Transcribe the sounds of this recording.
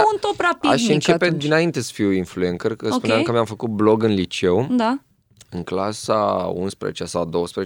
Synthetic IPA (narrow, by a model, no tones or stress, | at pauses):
unt̪opɾapiaʃɨnt͡ʃeped̪inaint̪e̞sə̥fiwinfluenkərkəsspuneamkəmjamfəkut̪̚blo̞ɡɨnlit͡ʃe̞wd̪a | ɨŋklasaṵnspɾḛzet͡ʃasawd̪o̞wəspɾee